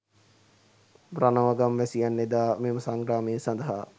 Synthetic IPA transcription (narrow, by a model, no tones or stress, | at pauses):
branəʋaɡamʋæsijanːed̪aːmeːməsaŋɡɾaːmejːsand̪əɦa